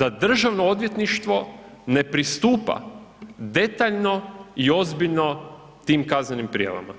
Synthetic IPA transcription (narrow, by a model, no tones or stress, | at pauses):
d̪ad̪r̩ʒaʋnoo̞d̪ʋje̞t̪niʃt̪ʋo̞ | ne̞pɾist̪uːpa̰d̪e̞t̪aːʎno̞io̞zbiʎno̞ | t̪iːmkaznenimpɾija̰ʋa̰ma̰